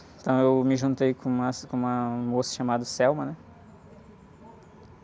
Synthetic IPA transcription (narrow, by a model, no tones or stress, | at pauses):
t̪ɐ̃w̃ewmɪʒũnt̪ejkõũmɐskõũmɐmosɐ̥ʃamad̪ɐsɛwmɐnɛ